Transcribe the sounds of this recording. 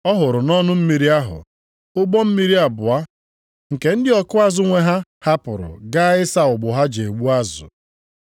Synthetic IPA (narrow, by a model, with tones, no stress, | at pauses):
ɔ˦ɦʊ˨ɾʊ˨nɔ˦nʊ˦m̩˦mi˨ɾi˦a˦ɦʊ̰˨ | ʊ˦ɡ͡bɔ˦m̩˦mi˦ɾi˦a˨bʊ˨a˦ | ŋ̩˨ke˨n̩˦dɪ˦ɔ˦kʊ˦a˦zʊ˦ŋʷe˦ɦa˦ha˦pʊ˨ɾʊ̰˨ɡa˦ɪ˦sa˨ʊ˨ɡ͡bʊ˨ɦa˦d͡ʒe˨ɡ͡bu˦a˦zʊ̰˨